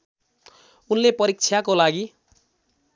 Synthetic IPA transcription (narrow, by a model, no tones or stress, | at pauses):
unlepʌɾik̚t͡sʰjakolaɡi